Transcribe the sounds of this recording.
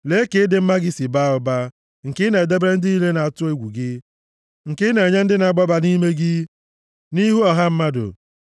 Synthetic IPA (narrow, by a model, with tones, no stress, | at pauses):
le˦ke˦dɪ˦m̩˦ma˦ɡɪ˦si˨ba˦ʊ˨ba˦ | ŋ̩˨kɪ˦ne˨e˨de˦bɾe˦n̩˦dɪ˦i˦le˦na˨a˨tʊ˦e˦ɡʷu˨ɡɪ˦ | ŋ̩˨kɪ˦ne˨ɲe˦n̩˦dɪ˦na˨ɡ͡bɔ˦ba˨ni˦me˦ɡɪ˦ | ni˦ɦu˦ɔ˨ɦa˦m̩˦ma˦dʊ̰˨